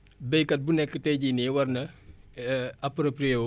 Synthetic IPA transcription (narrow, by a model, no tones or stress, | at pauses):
bɛjkɐt̚bunɛkːətɛjɟiniwɐrnɐ | ɐpɾopɾio